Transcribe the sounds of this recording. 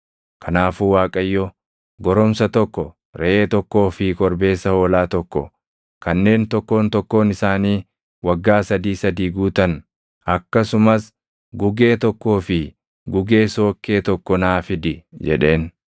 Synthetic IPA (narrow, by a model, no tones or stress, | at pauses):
kʰɐnaːfuːwaːkʼɐjːɔ | ɡɔɾɔmsɐt̪ɔkːɔ | ɾɛʔeːt̪ɔkːo̞ːfɪkʼɔɾbe̞ːsːɐho̞ːlaːt̪ɔkːɔ̰ | kɐnːe̞ːnt̪ɔkːo̞ːnt̪ɔkːo̞ːnɪsaːniː | wɐɡːaːsɐd̪iːsɐd̪iːɡuːt̪ɐn | ɐkːɐsʊmɐs | ɡʊɡe̞ːt̪ɔkːo̞ːfɪ | ɡʊɡe̞ːso̞ːkːe̞ːt̪ɔkːɔnaːfɪd̪ɪd͡ʒɛ̰ᶑe̞ːn